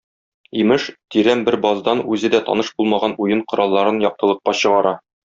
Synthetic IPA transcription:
imɘʃt̪iɾæmbɘɾbɒzd̪ɑnʉzɘd̪æt̪ɒ̰nɤʃb̥ulˠmɑʁɑnujɤɴqŏɾɑlˠːɑɾɤnjɒq̚t̪ɤ̆lˠɤ̆q̚ːɑɕɤ̆ʁɑɾɑ

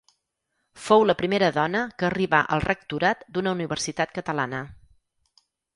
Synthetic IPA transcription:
fowləpɾimeɾəðɔnəkəːriβaʔə̰lˠrʔək̚t̪uɾat̪d̪unəuniβəɾsit̪at̪̚kət̪əlanə

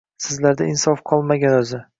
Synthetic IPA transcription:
sɪzlaɾd̪aɪnsɒfqʰɒlˠmaɡʲanɵzɪ

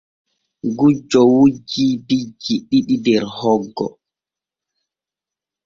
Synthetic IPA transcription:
ɡud͡ʒɔwud͡ʒiːbid͡ʒːiɗiɗidɛɾhɔɡːɔ̰

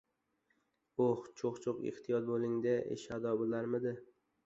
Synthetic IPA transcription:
oht͡ʃʰoqt͡ʃʰoqɪ̰ht̪ʰijɒt̪̚bolˠɪŋd̪ɪʔḛʃad̪ɒbolaɾmɪd̪ɪ

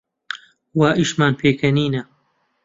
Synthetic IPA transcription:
waːʔiːʃmaːnpʰeːkʰɐniːnɐ

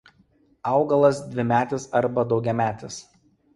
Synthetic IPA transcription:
ɐˑʊɡɐlˠɐsd̪ʲʋʲɪmʲæːt̪ʲɪsɐɾbɐd̪ɒʊɡʲɛmʲæːt̪ʲɪs

